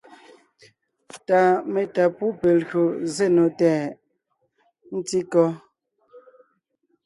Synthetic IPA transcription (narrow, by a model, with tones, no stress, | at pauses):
ta˨me˨ta˨pu˦pe˨lɣo˨ze˦˨no˨tɛː˨ | n̩˦ti˦kɔ˦